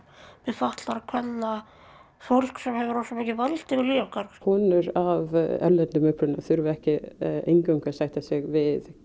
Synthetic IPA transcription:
vɛðfaht̪laɾakʰvɛnːa | fowl̥ksɛmhɛvɪɾɔsɔmɛhcːɪvalt̪ɪvɪɾliakaɾkhɔːnʏɾavɛ̰lɛnɪmʏhpɾʏnaθʏɾvʏɛhcɪḛjŋkʏmkʰvɛɾsajht̪asɪɣvɪð

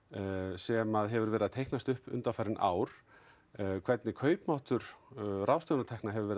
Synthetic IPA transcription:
sɛmaðɦɛvʏɾvɛːɾɪaðt̪ʰejhknast̪ʏhpʏ̰nt̪afaɾɪnʔa̰ːwɾ̥ | kʰvɛt̪nɪkʰœːɥpmawht̪ʏɾ̥rawst̪œwnat̪ʰɛhknaɦɛvʏɾvɛːɾɪ

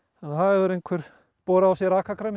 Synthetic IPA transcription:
hanːhaɛðʏɾejŋkʰvɛɾ̥ | pɔːɾaːwsjɛɾaːkakɾam

